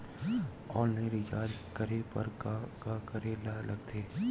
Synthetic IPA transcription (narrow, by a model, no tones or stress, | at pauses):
ɔːlneɾɪd͡ʒaːd͡ʒkəɾepɐ̰ɾkakəɾelalɐɡt̪ʰeː